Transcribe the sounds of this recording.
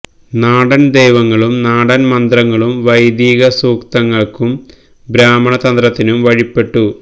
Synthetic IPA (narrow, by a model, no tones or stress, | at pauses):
naːɽɐnd̪ejʋɐŋːɐɭumnaːɽɐnmɐnd̪rɐŋːɐɭumʋɐjd̪iːɣɐsuːkt̪ɐŋːɐɭkum | bɾaːmɐɳɐt̪ɐnd̪rɐt̪ːinumʋɐɻipːe̞ʈːu